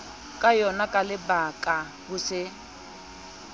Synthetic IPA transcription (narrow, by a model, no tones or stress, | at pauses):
kʼajɔnakʼalɪbakʼa | bʊsɪ